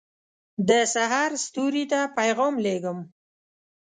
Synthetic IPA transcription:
d̪əsaɦɑɾst̪uɾit̪apajɣɔmleɡəm

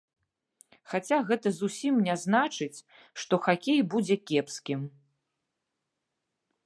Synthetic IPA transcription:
xat͡sʲaɣɛt̪ɐzusʲimnʲaznat͡ʂɨt͡sʲ | ʂt̪ɔxakʲejbud͡zʲɛkʲɛpskʲim

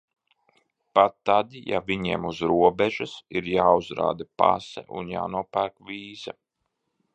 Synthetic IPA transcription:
pat̪ːad̪ija̰viɲiɛmuzɾuɔbɛʒɨsiɾjaːuzɾa̰ːd̪apa̰sɛ̰ʔṵnja̰ːnuɔpæːɾkvʲiːza

